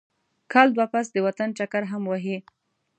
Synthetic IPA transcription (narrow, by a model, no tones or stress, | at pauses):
kʰɑld̪wapas̬d̪əwat̪anʈ͡ʂakaɾɦamwaɦi